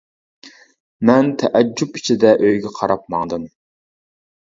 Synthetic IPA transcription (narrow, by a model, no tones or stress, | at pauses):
mɛnt̪ʰɛʔɛd͡ʒːupi̥t͡ʃʰɪd̪ɛʔøjɡʲɛqʰɑɾɑp̚mɑŋd̪ɨm